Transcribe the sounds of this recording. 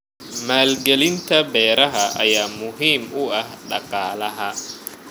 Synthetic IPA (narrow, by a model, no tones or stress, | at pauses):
maːlɡɛlɪnt̪ʰɐbɛːɾɐɦɐʔɐ̰jaːmʊɦiːmʊɐhɗɑ̰qʼɑːlɐɦɐ